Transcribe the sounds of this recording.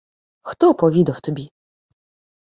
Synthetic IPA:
xt̪ɔpɔvʲid̪aft̪ɔbʲi

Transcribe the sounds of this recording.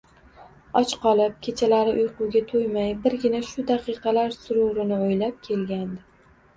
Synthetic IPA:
ɒt͡ʃqɒlˠɪp̚kʲʰe̞t͡ʃʰalaɾɪʔʊjqʊwɡʲat̪ʰojmajbɪɾɡʲɪnaʃʊd̪aqɨqʰɑlaɾsʊɾuɾɪnɪojlap̚kʲʰe̞lɡʲand̪ɪ

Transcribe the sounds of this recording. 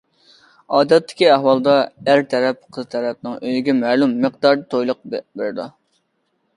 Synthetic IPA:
ɑːd̪ɛt̪ʰːɪ̥kʲiæhwɑlˠd̪ɑæɾt̪ʰɛɾɛp̚qʰəzt̪ʰɛɾɛp̚nɪŋøjɡʲɛmæːlumːəqd̪ɑɾd̪ɨt̪ʰojlˠʊq̚beɾɪd̪u

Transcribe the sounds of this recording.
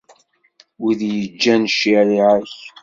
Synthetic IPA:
wiðjəd͡ʒːænʃiɾiʕəç

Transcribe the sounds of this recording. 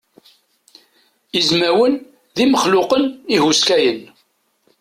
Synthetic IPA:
izmæwən | ðiməχlʊqənihuskæjən

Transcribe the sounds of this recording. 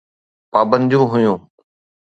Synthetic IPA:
paːbə̃nd̪ɪjũɦʊjũː

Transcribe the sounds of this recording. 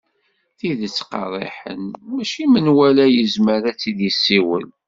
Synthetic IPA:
θiðət͡sːqɑ̰rˤḛħə̰nmæʃimənwælæjəzməɾæt͡sːiðəsːiwə̰l

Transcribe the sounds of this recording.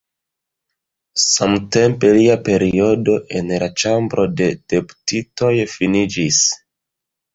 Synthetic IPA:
samte̞mpe̞liape̞ɾio̞do̞ʔe̞nlat͡ʃambɾʔo̞de̞d̥e̞pu̥tito̞jfinid͡ʒis

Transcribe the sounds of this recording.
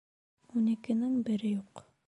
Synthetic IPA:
ʉnɘkɘ̆nɘŋbɘ̆ɾɘjuq

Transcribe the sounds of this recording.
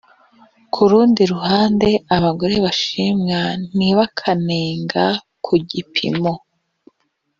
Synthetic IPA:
kʰuɾuːndiɾuhaːnde̞aβaɡo̞ɾe̞βaʃimŋaniβakʰaneːŋɡa | kʰuɟipʰḭmo̞

